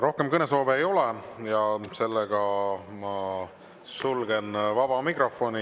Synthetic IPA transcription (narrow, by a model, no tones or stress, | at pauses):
ɾo̞hke̞mkɤne̞so̞ːveejo̞lejɑse̞lːeɡ̥ɑmɑ | sulɡ̥e̞nvɑb̥ɑmikro̞fo̞ni